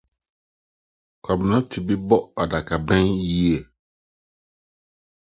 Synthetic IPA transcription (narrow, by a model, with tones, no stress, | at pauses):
kʰa˨bnã˦tʰi˨bi˦bɔ˦a˨da˨ka˨bɛ̃˦ŋji˦e˨